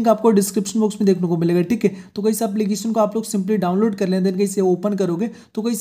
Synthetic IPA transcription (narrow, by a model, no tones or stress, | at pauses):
kaːp̚koɖɪskɾɪpʃənboːksmẽd̪eːkʰnekomɪleːɡaːʈʰiːkɦɛt̪okɐisaːpliɡeːʃənkoaːploːɡsɪ̃mpliɖaːʊ̃nloːɖkɐɾlẽːd̪enkɐɪseoːpənkɐɾoːɡeː | t̪okɐis